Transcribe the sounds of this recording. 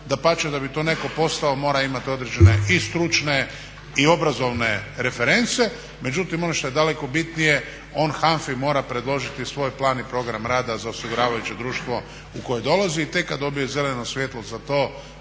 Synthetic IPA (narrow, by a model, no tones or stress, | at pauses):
d̪apat͡ʃed̪abit̪o̞ːne̞ko̞po̞st̪aomo̞ːɾaimat̪io̞d̪ɾe̞d͡ʑe̞ne̞ist̪ɾut͡ʃne̞ | io̞bɾazo̞ʋne̞ɾe̞feɾe̞nt̪se̞ | me̞d͡ʒut̪imo̞noʃt̪o̞jed̪ale̞ko̞bit̪nije̞ | o̞ːnxaɱfimo̞ːɾapɾe̞d̪lˠo̞ʒit̪isʋo̞ːjplˠaːnipɾo̞ɡɾamɾaːd̪azaosiɡuɾaːʋajut͡ʃed̪ɾuːʃt̪ʋo̞ | uko̞jed̪o̞laziːt̪e̞kːad̪o̞bijo̞ze̞leno̞sʋje̞t̪lˠo̞zat̪oː